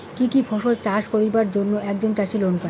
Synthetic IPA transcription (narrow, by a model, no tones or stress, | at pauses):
kikifʰɔʃolt͡ɕaʃpoɾibaɾd͡ʑonːoɛkd͡ʑont͡ɕaʃilonka